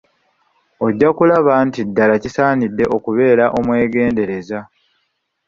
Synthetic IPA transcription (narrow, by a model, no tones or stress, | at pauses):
o̞ɟːakulaβantidːalacisaːnidːe̞ʔo̞kuβe̞ːɾaʔo̞mwe̞ːɡe̞ːnde̞ɾe̞za